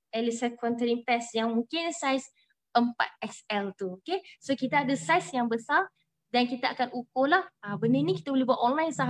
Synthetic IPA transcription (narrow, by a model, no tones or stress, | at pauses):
ɛlisɛkɔ̃nt̪əɾipɛsjaŋmũŋkɪnsajs | əmpa̰t̪̚ɛsɛlt̪uokesokit̪aadəsajsjaŋbəsar | dankit̪aakanukolahabənənĩkit̪abolebuat̪ʔɔnlajnsaɦ